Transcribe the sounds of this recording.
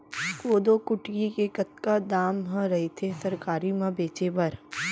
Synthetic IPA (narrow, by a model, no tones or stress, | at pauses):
koːd̪okʊʈjikekɐt̪̚kad̪aːmɦɐ̃ɾɐɦet̪ʰesɐɾkaːɾimãbeːt͡ʃebɐɾ